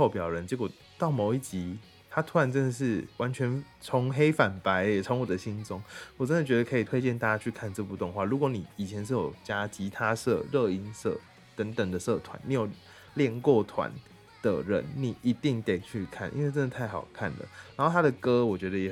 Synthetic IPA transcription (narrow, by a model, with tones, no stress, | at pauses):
o˥˧ʊpjɑ˨˩ʊɻə˧˦nt͡ɕi˧˥kwɔ˨˩ | t̪ɑ˥˩ʊmo˨˥ʊi˥˩t͡ɕi˧˥ | t̪ʰa˥t̪ʰwa˥˩nʈ͡ʂə˥nd̪ə˨ʂ̬ɻ̩˥˩wa˧˦nt͡ɕʰɥɛ˧˥nt͡sʰʊ˧˦ŋxe˥ɪfa˨˩npa˧˦ɪ˨t͡sʰo˧˦ŋwɔ˨˩d̪ə˦ɕi˥nt͡sʊ˦ŋwɔ˨˩ʈ͡ʂə˦nd̪ə˨t͡ɕɥɛ˧˥d̪ə˨kʰɤ˧˥i˨˩t̪ʰwe˥ɪt͡ɕjɛ˥˧nt̪a˥˩t͡ɕja˥t͡ɕʰy˥˧kʰa˥˧nʈ͡ʂɤ˥˧p̬u˥˧t̪ʊ˥˧ŋxwa˥˩ɻu˧˥kwɔ˧˦ni˨˩i˨˩t͡ɕʰjɛ˧˦nʂ̬ɻ̩˥˩jo˨˩ʊt͡ɕja˥t͡ɕi˧˥t̪ʰa˥sɤ̰˥˧ɻɤ˥˧i˥nsɤ̰˥˩ | t̪ə˧˦˥ŋt̪ə˨˩ŋd̪ə˦sɤ˥˩t̪ʰwa̰˨˦ni˨˧˥jo˨˩ʊ | ljɛ˥˧nkwɔ˥˩t̪ʰwa̰˨˩˦n | d̪̥ə̰˨ɻə̰˧˦nni˨˩i˧˥t̪i˥˩ŋt̪e˥˨˩ɪt͡ɕʰy˥˧kʰa̰˥˩nʔi˥nwe˥˩ʈ͡ʂə˥nd̪ə˨˧t̪ʰa˥˩ɪxɑ˨˩ʊkʰa˥˩nd̪ə̰˩na˨˧˥nxo˥˩ʊt̪ʰa˥d̪ə˨kɤ˥wɔ˨˩t͡ɕɥɛ˧˥d̪ə˧jɛ˨˩